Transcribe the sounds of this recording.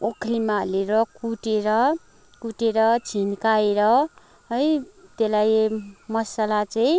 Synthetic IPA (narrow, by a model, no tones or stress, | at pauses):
okʰlimaɦleɾʌkuʈeɾʌ | kuʈeɾʌt͡sʰinkaeɾʌ | ʌjt̪elajmʌsalat͡saĩ